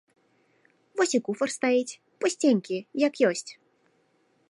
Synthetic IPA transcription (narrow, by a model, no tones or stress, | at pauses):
vɔsʲikufɐrst̪ajit͡sʲ | pɔsʲt͡sʲenʲkʲijakjɔsʲt͡sʲ